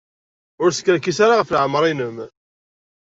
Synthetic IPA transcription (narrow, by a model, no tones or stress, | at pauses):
ʊɾsə̥kːɾækːisaɾaʁəfləʕmːəɾˤinəm